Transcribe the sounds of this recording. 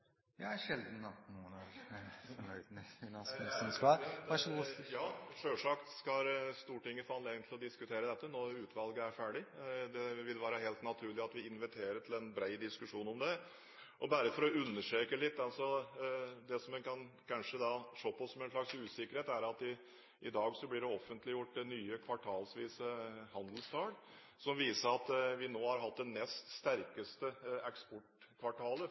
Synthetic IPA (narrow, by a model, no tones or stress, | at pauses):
jɑæʂɛld̪n̩ɑt̪nuːənɑɾfɔɳœʏd̪mɛɪnɑsəsɔnskɑɑʂjɑːʂøːʂɑkt̪skɑst̪uːʈɪŋːəfɑːnleɡənt̪ʰl̩ɔd̪ɪskʉt̪ʰeːɾəd̪ɛt̪ːənoːʉːt̪ʰʋɑlɡəæɾfæːɖɪd̪ɛʋɪlʋæːɾəɦeːlt̪nɑt̪ʰʉːɭɪɑt̪ʋɪɪnʋɪt̪ʰeːɾəʈʰlɛnbɾæɪd̪ɪskʉʂuːnɔmd̪ɛ | ʔɔbæɾəfɔɾɔʉnːəʂøːkəlɪt̪ːɑlsɔ | d̪ɛsɔmɛnkʰɑnkʰɑnʂəd̪ɑʂoːpɔsːɔmɛnʂlɭɑksʉːsɪkːəɾheːt̪æɾɑt̪ɪ | ʔɪd̪ɑːɡsɔblɪɖɛɔfːənt̪lɪjʊʈːnyːəkʰʋɑʈʰɑːlsʋiːsəhɑnd̪lst̪ʰɑːɽ | sɔmʋiːsəɾɑt̪ʋɪnoːhɑɾɦɑt̪̚d̪ɛnɛst̪st̪æɾkəst̪əɛkspɔʈkʰʋɑʈʰɑːlə